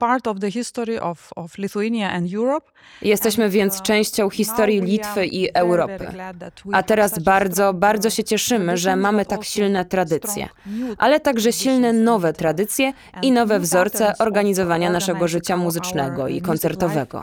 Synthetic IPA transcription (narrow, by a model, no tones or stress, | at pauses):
paɾtɔvðəhɪst̪ɔɹiʔɔvɔvliθuinjaɛ̃ndjuɹɔp̚ | jɛst̪ɛɕmɘvʲjɛnt̪st͡ʂɛ̃w̃ɕt͡ɕɔ̃w̃xʲist̪ɔɾjilʲit̪fɘʔiʔɛwɾɔpɘ̰ʔat̪ɛɾasbaɾd̪zɔbaɾd̪zɔɕɛt͡ɕɛʂɘmɘʐɛmamɘt̪akɕilnɛt̪ɾad̪ɘt̪sʲjɛ̰ʔalɛt̪aɡʐɛɕilnɛnɔvɛt̪ɾad̪ɘt̪sʲjɛ | inɔvɛvzɔɾt̪sɛʔʔɔɾɡaɲizɔvaɲanaʂɛɡɔʐɘt͡ɕamuzɘt͡ʂnɛɡɔḭkɔnt̪sɛɾt̪ɔvɛɡɔ̰